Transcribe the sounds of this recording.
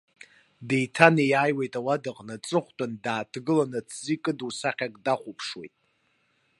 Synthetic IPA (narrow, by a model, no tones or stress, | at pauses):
dejtʰanijaːjwejtʼawadɨqʼnat͡sʼɨχʷtʼandaːtʰɡɨlanɨt͡sʰzikʼɨdusaχʲakʼdaχʷupʰʂwḛjtʼ